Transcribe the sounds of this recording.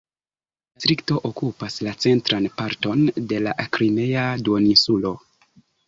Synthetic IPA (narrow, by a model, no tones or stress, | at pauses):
stɾikto̞ʔokupaslat͡se̞ntɾanpaɾto̞nde̞la̰ʔkɾime̞jaduonisulo̞